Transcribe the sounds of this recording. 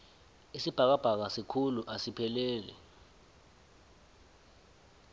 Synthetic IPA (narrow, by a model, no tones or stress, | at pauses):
isib̥ʱak̬ab̥ʱak̬asikʰuluʔasipʰɛlɛːlɛ̰